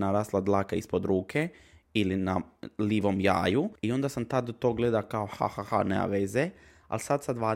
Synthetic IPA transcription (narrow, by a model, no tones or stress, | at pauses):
naɾaːslad̪lˠaːkaispod̪ɾʔuːkʰeilinaliːʋomja̰ːjuio̞nd̪asamt̪ad̪̚ot̪oːɡled̪akaoxa̰haxa̰nea̰ʋeze | a̰lsad̪sad̪ʋaː